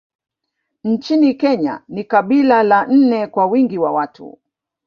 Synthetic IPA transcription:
n̩t͡ʃinikɛɲa̰nikaɓilalan̩nɛkwawiŋɡiwawatʰṵ

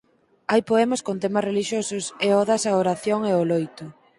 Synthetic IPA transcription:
ajpoɛmoskont̪emasreliʃjosʊseɔðasɐoɾaθjoŋeolojt̪ʊ

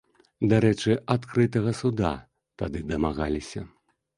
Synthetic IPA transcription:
d̪aɾɛt͡ʂɨat̪kɾɨt̪ɐɣɐsud̪a̰ | t̪ad̪ɨd̪ɐmaɣalʲisʲɐ̰

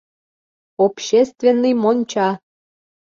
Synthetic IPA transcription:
opɕest̪vʲenːɨjmonʲt͡ɕɑ

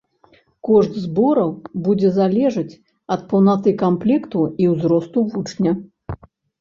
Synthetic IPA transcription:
kɔʐt̪zbɔɾɐwbud͡zʲɛzalʲɛʐɨt͡sʲ | ɐt̪̚pɐwnat̪ɨkamplʲɛkt̪uiwzɾɔst̪uvut͡ʂnʲɐ

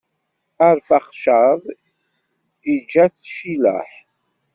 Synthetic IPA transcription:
aɾfaχʃaðˤ | id͡ʒæθʃilæ̰ħ

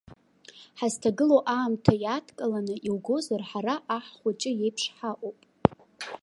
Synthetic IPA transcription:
ħaztʰaɡɨloʔaːmtʰajatʰkʼalanɨʔilɡo̞zarħaɾaʔaħχʷʊt͡ʃʼɪje̞jpʰʂħaʔʼowpʼ

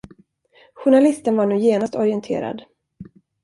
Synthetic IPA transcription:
ɧʊɳalɪst̪ənvaɳuːjeːnast̪ʰɔɾɪɛnt̪ʰḛːɾa̰d̪

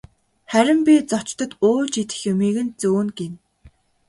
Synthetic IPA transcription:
χæɾʲɪ̆mpʲit͡sɔt͡ɕt̪ɞ̆t̪oːt͡ɕit̪ɘ̆xjʊmiːɣɘ̆nt͡suːnɡen

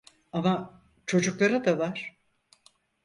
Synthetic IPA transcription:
ama | t͡ʃʰo̞d͡ʒuklˠaɾad̪avaɾ̥

